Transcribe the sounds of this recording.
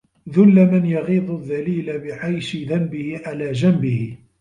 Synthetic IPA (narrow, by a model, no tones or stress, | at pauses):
ðʊlːamɪnjɑɣiːd̪ˤʊðːaliːlabɪʕajʃɪðambɪhɪʕalaːd͡ʒambɪhɪ